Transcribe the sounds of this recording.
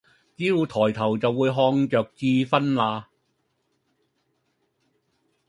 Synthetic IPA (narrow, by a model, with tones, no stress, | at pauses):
t͡siː˥u˨˧t̪ʰɔː˨˩jt̪ʰɐ˨˩wt͡sɐ˨wːuː˨˧jɦɔː˧ŋt͡ʃœː˨k̚t͡siː˧fɐ˥nlaː˧